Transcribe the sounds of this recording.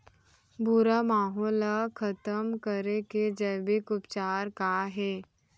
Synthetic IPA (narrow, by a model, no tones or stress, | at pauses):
bʊɾamaːɦɔːlakʰɐt̪əmkəɾeked͡ʒəːbekʊpt͡ʃaːɾkaɦɛː